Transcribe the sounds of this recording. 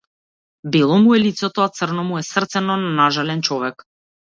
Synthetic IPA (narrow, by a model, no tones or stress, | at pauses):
bilˠɔmuɛlit̪sɛt̪ɔat̪sərnɔmuɛsrt̪sɛnɔnanaʒalɛnt͡ʃɔvɛk